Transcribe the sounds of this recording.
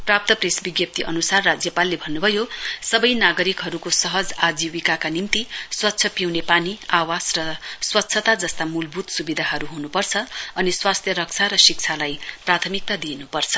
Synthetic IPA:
prap̚t̪ʌpresbiɡjʌp̚t̪iʔʌnusarːad͡zjʌpalːebʱʌnːubʱʌjosʌbʌjnaɡʌɾikɦʌɾukosʌɦʌd͡zad͡ziwikakanimt̪iswʌt̪ːsʰʌpiwnepaniawasrʌswʌt̪ːsʰʌt̪ad͡zʌst̪amulbʱut̪subid̪ʱaɦʌɾuɦunupʌrt͡sʰʌʌniswast̪ʰjʌɾʌk̚t͡sʰaɾʌsik̚t͡sʰalajprat̪ʰʌmik̚t̪ad̪inupʌrt͡sʰʌ̥

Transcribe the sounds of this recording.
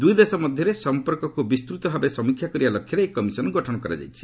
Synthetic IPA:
d̪ujd̪esɔmɔd̪ʱjɔɾesɔmpɔɾkɔkubist̪ɾut̪ɔbʱabesɔmikʰːjakɔɾibalɔkʰjɔɾeekɔmisɔnɔɡɔʈʰɔnɔkɔɾa̰d͡ʒa̰jt͡ʃʰi̥

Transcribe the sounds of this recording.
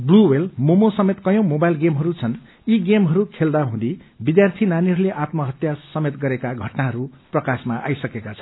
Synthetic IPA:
bluwelmomosʌmet̪kʌjõwmobajlɡemɦʌɾut͡sʰʌn | iɡemɦʌɾukʰeld̪aɦũd̪ibid̪jart̪ʰinaniɦʌɾuleʔat̪mʌɦʌt̪jasʌmet̪ɡʌɾekaɡʱʌʈnaɦʌɾuprʌkasmaʔa̰jsʌkekat͡sʰʌ̥n

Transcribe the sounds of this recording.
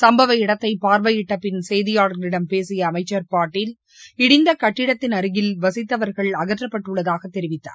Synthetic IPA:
sɐmbɐʋɐɪɽɐt̪ːɐɪpaːɾʋɐjɪʈːɐpːɪnsɛjðɪjaːɽɐɾɐlɪɽɐmpeːsɪjɐːmɐɪt͡ʃːɐɾpaːɾʈːɪl | ɪɽɪnd̪ɐkɐʈːɪɽɐt̪ːɪnɐɾɯɣɪlʋɐsɪt̪ːɐʋɐɾɣɐɭɐɣɐʈrɐpːɐʈːɯɭːɐðaːɣɐt̪ːɛɾɪʋɪt̪ːa̰ːɾ

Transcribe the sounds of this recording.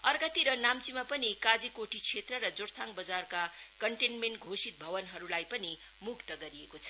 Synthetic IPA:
ʌrɡʌt̪iɾʌnamt͡simapʌnikad͡zikoʈit͡sʰet̪rʌɾʌd͡zoɾt̪ʰãŋbʌd͡zarkakʌɳʈenmeɳʈɡʱosit̪̚bʱʌbʌnɦʌɾulajpʌni | mukt̪ʌɡʌɾiekot͡sʰʌ

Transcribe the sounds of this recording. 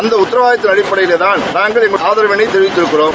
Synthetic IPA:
ɐnd̪ɐʊt̪ːɪɾɐʋaːjɐt̪ːɪnɐɽɪpːɐɽɐjɪleːt̪aːnnaːŋɡɐɭɛŋɡɐaːðɐɾɐʋɪnɐɪt̪ːɛɻʋɪt̪ːɪɾɯkːɪroːm

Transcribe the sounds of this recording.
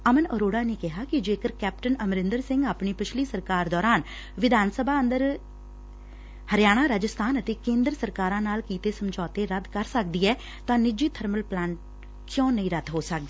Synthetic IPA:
əmənə̰ɾoːɽaːnĩːkɪɦaːkɪd͡ʒeːkəɾkɛːp̚ʈənəmɾɪ̃nd̪əɾsɪ̃ŋɡaːpɳiːpɪt͡ʃʰliːsəɾkaːɾd̪ɔːɾaːn | ʋɪd̪ʱaːnsəbʱaːə̃nd̪əɾ | həɾjaːɽ̃ãːɾaːd͡ʒəst̪ʰaːnət̪eːkẽːnd̪ɾəsəɾkaːɾãːnaːlkiːt̪eːsəmd͡ʒɔːt̪eːɾəd̪kəɾsək̚d̪iːɛː | t̪ãːnɪd͡ʒiːt̪ʰəɾməlplãːɳʈ | kjõːnəĩːɾəd̪ɦoːsək̚d̪eː

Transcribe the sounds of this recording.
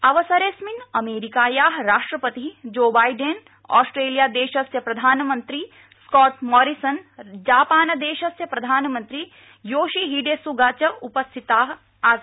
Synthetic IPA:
ɐʋəsɐɾeːsminɐmeːɾikaːjaːɦɾaːʂʈɾɐpɐt̪id͡ʒoːbaːjɖen | ɔ̰ːsʈɾeːlijaːd̪eːʃɐsjɐpɾɐd̪ʱaːnmɐnt̪ɾi | skɔːʈmɔːɾisɐnd͡ʒaːpaːnɐd̪eːʃɐsjɐpɾɐd̪ʱaːnmɐ̃nt̪ɾi | joːʃiɦiːɖeːsuɡaːt͡ʃɐupɐst̪ʰit̪aːɦ | aː

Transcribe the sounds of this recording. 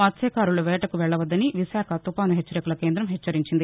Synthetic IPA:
ɐt̪ːsɛːkaːɾuluʋɛːʈɐkuʋɛɭːɐʋɐd̪ːɐniʋisaːkʰɐt̪upaːnuɦet͡ʃːɐɾikulɐke̞ːnd̪ɾɐmɦɛt͡ʃːɐɾiɲt͡ʃind̪i

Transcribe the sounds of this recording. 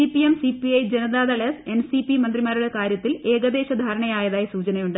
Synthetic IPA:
ipijemsipiɐjd͡ʑenɐðaːðɐɭese̞nsipimɐnd̪rimaːɾuɽe̞kaːɾjɐt̪ːile̞ːɡɐd̪e̞ːɕɐd̪ʱaːɾɐɳɐjaːjɐðaːjisuːt͡ɕɐnɐjuɳɖɨ

